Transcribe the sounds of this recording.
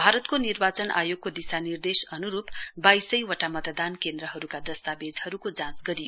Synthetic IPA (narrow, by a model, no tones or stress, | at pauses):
bʱaɾʌt̪konirbat͡sʌnʔa̰joɡ̚kod̪isanird̪esʌnuɾupbajsʌjwʌʈamʌt̪d̪ankend̪ɾʌɦʌɾukad̪ʌst̪abed͡zʌɾukod͡zãt͡sɡʌɾijo